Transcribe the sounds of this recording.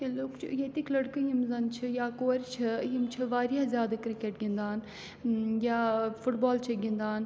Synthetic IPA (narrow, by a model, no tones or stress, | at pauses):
eloːkt͡ʃʰjet̪iklɐɽkɨɦimzɐnt͡ʃʰijaːkoːɾʲt͡ʃʰɐɦimt͡ʃʰɨʋaːɾjaːzʲjaːd̪akɾɪkeːʈɡĩnd̪aːn | jaːfʊʈbaːlt͡ʃʰiɡĩnd̪aːn